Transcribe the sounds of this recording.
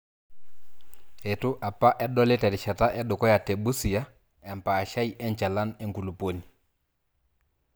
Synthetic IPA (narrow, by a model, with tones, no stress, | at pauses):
he˨tu˦ʔa˨pːa˦ʔɛ˦ɗɔ˦lɛ˦tɛ˨ɾʃa˨ta˦ʔɛ˦du˨kɔ˦ja˨te˨bu˦si˨ja˦ | ɛ˨mpaː˨ʃa˦i˦ʔɛ˦ɲt͡ʃa˨la˦ne˦ŋku˨lu˨po˦ni˨